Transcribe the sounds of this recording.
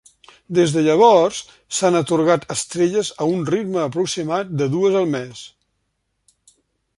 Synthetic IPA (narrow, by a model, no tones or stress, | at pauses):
d̪ezðəʎəβ̞ɔrrs | sanət̪uɾɣat̪ʰəst̪ɾeʎəzəunrid̪məːpɾuksimat̪̚d̪əðuəzəlˠmɛs